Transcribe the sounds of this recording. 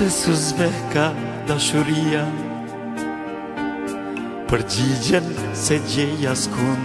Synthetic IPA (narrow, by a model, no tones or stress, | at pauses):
ɛsuzbɛka | d̪aʃuɾia | pəɾd͡ʒid͡ʒən | sɛd͡ʑɛjaskun